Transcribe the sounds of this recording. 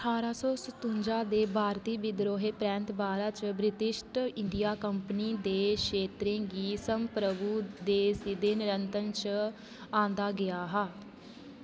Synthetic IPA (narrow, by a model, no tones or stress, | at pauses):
ʈʰaːɾaːsɔːsət̪ʊ̃ɲd͡ʒaːd̪eːbʱaːɾt̪iːbɪd̪ɾoːɦeːpɾɛ̃ːnt̪baːɾaːt͡ʃbɾɪt̪ɪʃʈɪɳɖijaːkəmpəniːd̪eːkʰeːt̪ɾẽːɡiːsəmpɾəbuːd̪eːsɪd̪eːnɾənt̪ənt͡ʃ | ãːnd̪aːɡɪjaːɦaː